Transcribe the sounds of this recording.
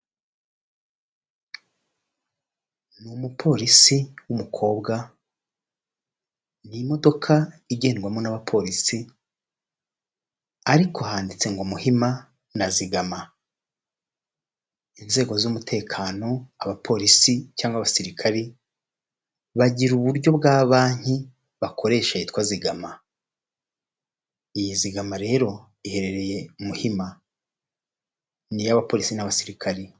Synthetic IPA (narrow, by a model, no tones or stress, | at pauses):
numupʰo̞ːɾisiwumukʰo̞ːbɡa | nimo̞do̞kʰaiɟe̞ːnɡwamo̞naβapʰo̞ɾisi | aɾikʰo̞haːndit͡se̞ŋɡomuhima | naziɡama | inze̞ːɡo̞zumutʰe̞ːkʰaːno̞aβapʰo̞ɾisicaːŋɡwaβasiɾikʰaɾe | βaɟiɾuβuɾɟo̞bɡaːβaːɲ̥i | βako̞ɾe̞ːʃaitkwaziɡama | ijiziɡamaɾe̞ːɾo̞ | ihe̞ɾe̞ɾe̞je̞umuhima | nijaβapo̞ɾisinaβasiɾikʰaɾe